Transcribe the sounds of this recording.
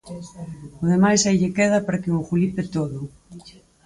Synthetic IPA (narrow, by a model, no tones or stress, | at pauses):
ʊðemajsajʎekeð̞ɐpaɾakɪʊxulipɪt̪oðʊ